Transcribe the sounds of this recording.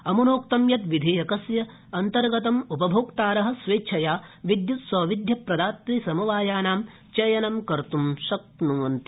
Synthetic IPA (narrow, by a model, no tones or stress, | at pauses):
ɐmunoːkt̪ɐmjɐt̪ʋid̪ʱijɐkɐsjɐ | ɐnt̪ɐɾɡɐt̪ɐmupɐbʱoːkt̪aːɾɐɦɐ̆sʋeːt͡ʃʰɐjaːʋid̪jut̪sɐːʋid̪ʱjɐpɾɐd̪aːt̪ʋisɐmuʋaːjaːnaːm | t͡ʃɐjɐnɐmkɐɾt̪umʃɐk̚t̪nuːɐnt̪i̥